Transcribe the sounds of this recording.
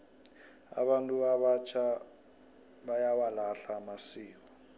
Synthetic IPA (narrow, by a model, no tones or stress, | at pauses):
a̰βantʼuaβat͡ʃʰa | ɓajawalaɬamasiːk̬ɔ